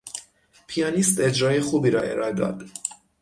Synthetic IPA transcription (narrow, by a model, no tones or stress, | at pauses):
pʰijɒːnist̪e̞d͡ʒɾɒːjexuːbiːɾɒːʔe̞̰ɾɒːed̪ɒ̰ːd̪̥